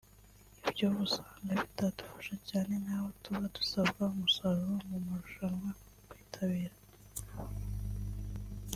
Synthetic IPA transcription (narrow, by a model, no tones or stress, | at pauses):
ibjoβusaŋɡaβitadu̥fḁʃacaːne̞naːhotuβadu̥sabɡaumusaɾomumuɾuʃaŋɡa | kwiːtʰaβiːɾa